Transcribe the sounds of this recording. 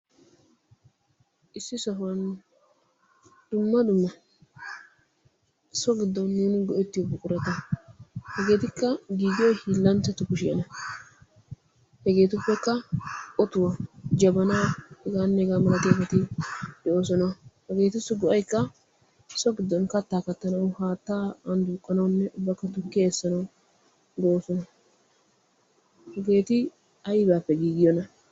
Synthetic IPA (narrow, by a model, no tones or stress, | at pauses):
ʔɪsːɪsɐɦʊwɐn | d̪̥ʊmːɐd̪ʊmːɐ | sɔɡɪd̪ːɔnːuːnɪɡɔʔɛt̪ːɪjɔbʊkʼʊɾɐt̪ɐ | hɛɡe̞ːt̪ɪkːɐɡiːɡ̪ɪjɔjhiːlːɐntːɐt̪ʊkʊʃɪjɐnɐ | hɛɡe̞ːt̪ʊpːɛkːɐʔɔt̪ʊwɐd͡ʒɐbɐnaːɛɡaːnːɛɛɡaːmɐnɐt̪eːfɐt̪ɪd̪̥ɛʔo̞ːsɔnɐhɛɡe̞ːt̪ɪsʊɡɔʔɐjkːɐ | sɔɡɪd̪ːɔnkɐt̪ːaːkɐt̪ːɐnɐwʊhaːt̪ːaːɐnd̪uːkʼːɐnɐwnːɛʔʊbːɐkːɐt̪ʊkːɪeːsːɐnɐw | d̪ɛʔoːsɔnɐ | hɛɡe̞ːt̪ɪ | ɐjbaːpːɛɡiːɡɪjɔnɐ